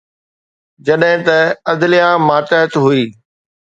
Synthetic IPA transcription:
d͡ʑɐɗɦɪ̃t̪ɐɐd̪lijãmaːʈəɦət̪ɦuiː

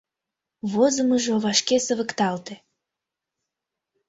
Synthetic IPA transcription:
βozəməʒoβɑʃkesəβəkt̪ɑlt̪ĕ

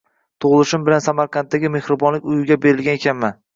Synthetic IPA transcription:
t̪ʰoʁlˠɪʃɪmbɪlansamaɾqʰɑnt̪ːaɡʲɪme̞hɾɪbɒnlɪkʲʊjɪɡʲabe̞ɾɪlɡʲanekʲʰanman

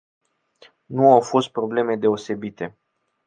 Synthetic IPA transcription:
nuawfo̞st̪̚pɾo̞ble̞me̞d̪e̞o̞se̞bit̪e̞

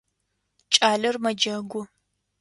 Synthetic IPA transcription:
t͡ʃʼaːlɐrmɐd͡ʒɐɡʷʊ

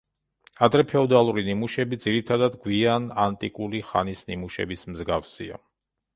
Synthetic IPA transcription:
ad̪ɾɛpʰɛɔd̪alˠuɾinimuʃɛbid̪ziɾit̪ʰad̪ad̪ɡwianant̪ʼikʼuliχa̰nisnimuʃɛ̰bismzɡafsia̰

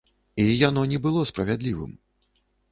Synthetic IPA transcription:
ijanɔnʲɛbɨlˠɔspɾɐvʲad̪lʲivɨ̰m

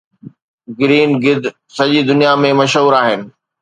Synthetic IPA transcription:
ɡɾiːnɡɪd̪ʱ | sɐʄid̪ʊnijamẽmɐʃɦuːɾaːɦɪnɪ̆

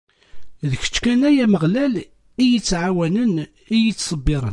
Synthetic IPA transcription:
ðəçə̥t͡ʃːkænæjæməʁlæl | ijət͡sːʕawænən | ijət͡sːsˤəbːiɾˤə̰n

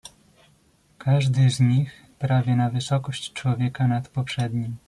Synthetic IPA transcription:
kʰaʐd̪ɘzɲix | pɾavʲjɛnavɘsɔkɔɕt͡ɕt͡ʂwɔvʲjɛkanat̪pɔpʂɛd̪ɲim

